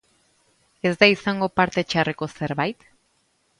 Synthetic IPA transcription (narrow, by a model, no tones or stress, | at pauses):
e̞zd̪aisaŋɡo̞paɾt̪e̞t͡ʃareko̞se̞ɾβajt̪